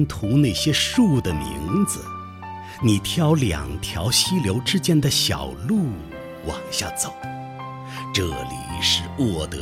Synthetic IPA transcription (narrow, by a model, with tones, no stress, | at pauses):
nt̪ʰu˧˥ne˥˩ɪɕjɛ˥ʂu˥˩d̪ə˩mḭ˧˥ŋd͡zɹ̩̰˧ | ni˨˩t̪ʰjɑ˥ʊljɑ̰˨˩ŋt̪ʰjɑ˧˥ʊɕi˥ljo˧˥ʊʈ͡ʂɻ̩˥t͡ɕjɛ˥nd̪ə˨ɕjɑ̰˨˩ʊlu˥˩ | wɑ˨˩ŋɕja̰˥˩t͡so˨˩˦ʊ | ʈ͡ʂɤ˥˩lḭ˨˩ʂɻ̩˥˧wɔ˥˩t̪ɤ˧